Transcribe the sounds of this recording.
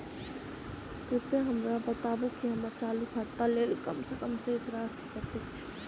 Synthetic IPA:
kʊpeɦɐmɾabət̪aːʋokiɦɐmat͡ʃaːlukʰaɾt̪aleːlkɐmsekəmseɪsɾaːsikəɾt̪et͡ʃʰi̥

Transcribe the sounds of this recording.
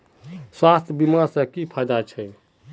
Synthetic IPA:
swast̪ʰəbimasə̃kipʰajd̪at͡ʃʰɛ

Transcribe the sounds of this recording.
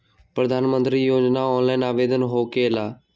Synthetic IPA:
pɾəd̪ʱaːnmə̃nt̪ɾiːjoːd͡ʒnaːɔːnlaːinaːʋeːd̪ənɦoːkelaː

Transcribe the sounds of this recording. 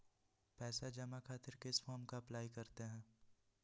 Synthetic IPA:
pɛːsad͡ʒɐmakʰaːt̪ɪɾkeɪsfɔːɾmkaɐplaːikɐɾt̪eɦɛ̃ː

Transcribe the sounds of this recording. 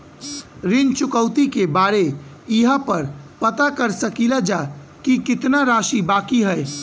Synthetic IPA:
ɾɪnt͡ʃʊkəʊt̪ikebaːɾe | ɪɦapəɾpət̪akəɾsəkilad͡ʒaː | kikɪt̪naɾaːʃibaːkiɦɛɛ

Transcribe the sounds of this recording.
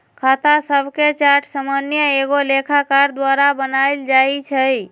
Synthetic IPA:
kʰat̪asəbʱket͡ʃaɾʈʰsamanjəeɡolekʰakaɾd̪waɾabənajld͡ʒait͡ʃʰəj

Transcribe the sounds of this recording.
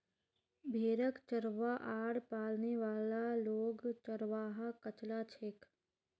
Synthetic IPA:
bʱeːɾəkt͡ʃəɾʋaʔaːɽpaːlneʋaːlaloːɡt͡ʃəɾʋaːɦakət͡ʃlat͡ʃʰek

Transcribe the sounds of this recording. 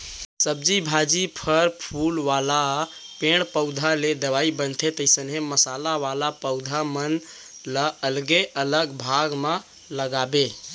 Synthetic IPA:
səb̚d͡ʒibʱad͡ʒipʰəɾpʰulʋala | peɳ̃pəʊd̪ʱaled̪əʋaibənt̪ʰet̪əsənɦeməsalaʋalapəʊd̪ʱamən | ləəlɡeʔələɡbʱaɡmã | ləɡabe

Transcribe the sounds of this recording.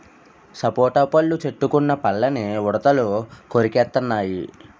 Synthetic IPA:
sɐpoːʈɐpɐlːut͡ʃeʈːukunːɐpɐlːɐniɔɽɐt̪ɐlukoɾikɛːt̪ːɐnːaːji

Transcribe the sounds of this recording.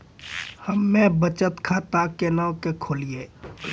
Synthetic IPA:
həmːẽbət͡ʃət̪kʰat̪akenaːwkekʰoːlieː

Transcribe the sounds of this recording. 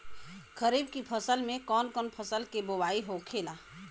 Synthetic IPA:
kəɾiːbkipʰəsəlmẽkɔːnkɔːnpʰəsəlkebowaːiɦokʰeːlaː

